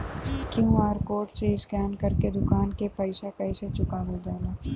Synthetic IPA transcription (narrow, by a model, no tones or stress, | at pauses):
kjũːaːɾkoːʈseɪskɛːnkɐɾked̪ʊkaːnkepɐɪsakɐiset͡ʃʊkaːʋod̪aːlaː